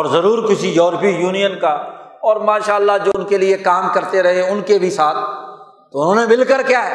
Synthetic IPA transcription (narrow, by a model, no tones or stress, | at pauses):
ɔːɾzɐɾuːɾkɪsijɔːɾpijuːnijənka | ɔːɾmaːʃaːəlːad͡ʒoːʊnkeliekaːmkɐɾt̪eɾɐɦeʊnkebʱisaːt̪̚ʰ | t̪ːoʊn̤ɦõːnemɪlkəɾkjaːɦɛː